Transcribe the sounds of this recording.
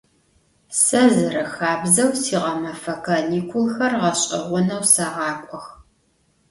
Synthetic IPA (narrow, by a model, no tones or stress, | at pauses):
sɐzɨɾɐxaːbzɐwsiːʁɐmɐfɐkʰɐniːkʷʰʊlxɐrʁɐɕʼɪ̰ʁʷʊnɐwsɐʁɑːkʷʼɔx